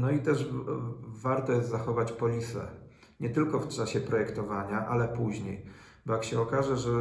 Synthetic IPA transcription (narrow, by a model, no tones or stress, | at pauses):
nɔit̪ɛʐ | vaɾt̪ɔjɛst̪zaxɔvat͡ɕpɔlʲisɛ̰ | ɲɛt̪ɘlkɔft͡ʂaɕɛpɾɔjɛkt̪ɔvaɲaʔalɛpuʑɲej | bɔjakɕɛɔkaʐɛʐɛ